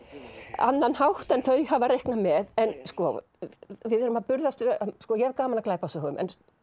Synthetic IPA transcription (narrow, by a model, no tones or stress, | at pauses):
a̰nːanhawht̪ɛnθœɥɦavaɾejhknamɛðɛnskɔ | vɪðɛɾʏmaðpʏɾðast̪skɔjɛvkaːmalaklaːjpasœhʏmʔɛ̰n